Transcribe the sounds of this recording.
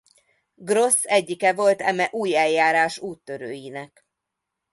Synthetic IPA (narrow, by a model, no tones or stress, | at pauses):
ɡro̞sːɛɟːikɛvo̞lt̪ɛ̰mɛʔuːjɛljaːɾaːʃuːt̪ːøɾøːjinɛk